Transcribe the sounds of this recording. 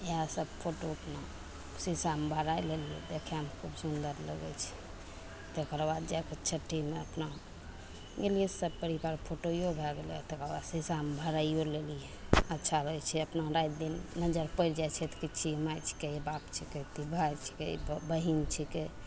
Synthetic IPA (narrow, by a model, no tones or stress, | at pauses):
easəbpʰoʈoəpʰna | sisambʱəɾajleliḛd̪ekʰeamkʰubsund̪əɾlə̰ɡɛ̰t͡ʃʰi̥ | t̪ekəɾbad̪d͡ʒajket͡ʃʰəʈːimeəpna | ɡelijesəbpəɾibaɾpʰoʈojobʱɛɡelḛt̪ekəɾbad̪sisambʱəɾaijolelijeətːʃʰaɾəɛt͡ʃʰɛəpnãɾajt̪d̪inːəd͡ʒəɾpəɪɾd͡ʒajt͡ʃʰɛt̪kit͡ʃʰimajt͡ʃʰi̥kebapt͡ʃʰiket̪ibʱajt͡ʃʰi̥kḛbbəɦint͡ʃʰike